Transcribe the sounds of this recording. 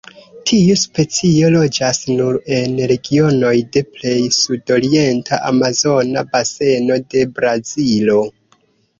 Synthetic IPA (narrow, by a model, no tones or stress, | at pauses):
tʰiuspe̞t͡sio̞lo̞d͡ʒasnuɾe̞nɾe̞ɡio̞no̞jde̞ple̞jsudo̞ɾie̞ntʰaʔamazo̞nabase̞no̞de̞bɾazilo̞